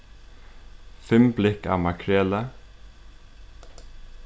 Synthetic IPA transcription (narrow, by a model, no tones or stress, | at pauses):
fɛmblɪkɑ̰ːmɑkʰɹɛːlə